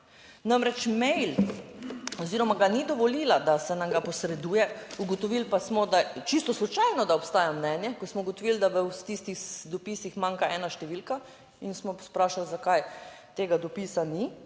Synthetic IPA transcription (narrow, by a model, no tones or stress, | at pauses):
namɾɛt͡ʃmɛjl | ɔziːɾɔmaɡanid̪ɔʋɔlilad̪asɛnamɡapɔsɾɛd̪uːjɛuɡɔt̪ɔʋilpasmɔd̪at͡ʃist̪ɔslɔt͡ʃajnɔd̪aɔpst̪aːjamnɛːnjɛkɔsmɔuɡɔt̪ɔʋild̪aʋəwst̪ist̪ixd̪ɔpisixmaŋkaʔɛːnaʃt̪ɛʋilka | insmɔspɾaːʃalzakaj | t̪eːɡad̪ɔpiːsani